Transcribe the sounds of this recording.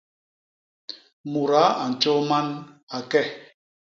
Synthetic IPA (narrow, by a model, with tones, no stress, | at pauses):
mu˨ɾa˨˦a˨n̩˨t͡ʃɔ˦ma˦na˨kɛ˦˨